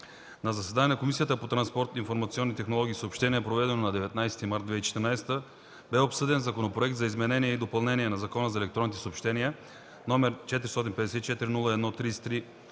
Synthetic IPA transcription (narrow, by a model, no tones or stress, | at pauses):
nɐzɐsɛd̪aninɐkomisijət̪əpot̪ɾɐnspɔɾt̪infoɾmɐt̪siɔnːit̪ɛxnolˠɔɡʲiːsəopʃt̪ɛnijəpɾovɛd̪ɛnonɐd̪ɛvɛt̪najsɛ̥t̪imaɾt̪d̪vɛt͡ʃɛ̥t̪əɾnajsɛ̥t̪ə | bɛopsɤd̪ɛnzɐkonopɾoɛk̚t̪zɐizmɛnɛnijɛid̪opɐlˠnɛniɛnɐzɐkɔnəzɐɛlɛk̚t̪ɾɔnit̪ɛ̥səopʃt̪ɛniə | nomɛɾt͡ʃɛt̪iɾist̪ɔt̪inpɛd̪ɛsɛt̪it͡ʃɛt̪iɾinulˠəɛd̪nɔt̪ɾisɛ̥t̪ɾi